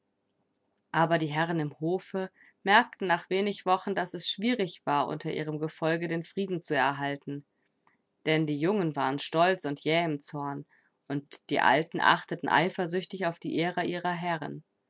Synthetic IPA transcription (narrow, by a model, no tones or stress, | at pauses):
ʔaːbɐdiːɦɛʁ̞ənɪmhoːfə | mɛɐk̚tn̩naːχv̥eːnɪçv̥ɔχn̩dasɛsʃv̥iːʁɪçv̥aːɐʔʊ̰ntʰɐʔḭːʁ̞əmɡəfɔlɡədeːnfʁ̥iːdn̩t͡suɛɐɦaltn̩ | d̥ɛndiːjʊŋənvaːʁənʃtɔlt͡sʊntjɛːɪmt͡sɔɐn | ʔʊntd̥ḭːʔa̰ltn̩ʔa̰χtətn̩ʔa̰ɪfɐzʏçtɪçaʊfd̥iːʔeːʁəʔiːʁɐɦɛʁə̰n